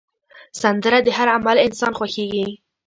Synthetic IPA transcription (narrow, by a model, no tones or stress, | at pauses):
sand̪əɾad̪əhaɾamalɪnsɑnxwaxeɡi